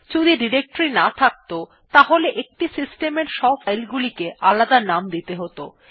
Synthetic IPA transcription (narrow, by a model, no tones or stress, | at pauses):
t͡ɕud̪iɖiɾek̚ʈoɾinat̪ʰak̚t̪o | t̪aɦoleʔek̚ʈisisʈemeɾʃɔbfajlɡulikeʔalad̪anamd̪it̪eɦot̪o̰